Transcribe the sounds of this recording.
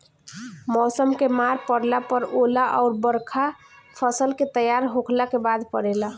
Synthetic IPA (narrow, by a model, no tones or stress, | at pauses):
mɔːsəmkemaɾpəɽlapəɾolaʔɔ̰ʊɾbəɾkʰa | pʰəsəlket̪əjaɾɦokʰlakebad̪pəɽela